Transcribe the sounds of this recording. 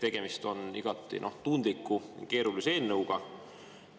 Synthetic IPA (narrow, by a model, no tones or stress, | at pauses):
t̪e̞ɡ̥e̞mist̪o̞niɡ̥ɑt̪ːˑḭnʔo̞ht̪und̪̥likːˑujke̞ːɾulise̞ːnːəwɡ̥ɑ